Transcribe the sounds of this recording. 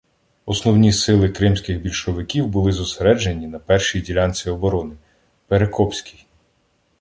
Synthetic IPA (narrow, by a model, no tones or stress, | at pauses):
ɔsnɔwnʲisɪlˠɪkɾɪmsʲkɪxbʲilʲʃɔʋɪkʲiwbʊlˠɪzɔseɾɛd͡ʒenʲːinɐpɛrʃijdʲilʲanʲt͡sʲʋʲiɔbɔɾɔnɪ | peɾekʰɔpsʲkʲi̥j